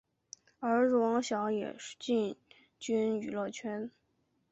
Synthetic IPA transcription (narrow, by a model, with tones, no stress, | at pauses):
ə˞˧˥ɻ̩˥˧˩wɑ˧˥ŋɕjɑ˧˥ʊjɛ̰˨˩ʂt͡ɕi˥˩n | t͡ɕy˥ny˨˩lɤ˥˩t͡ɕʰɥɛ˥n